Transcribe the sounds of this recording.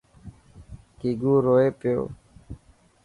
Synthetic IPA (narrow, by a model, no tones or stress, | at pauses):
kiːɡuːɾoːeːpɪjo̰ː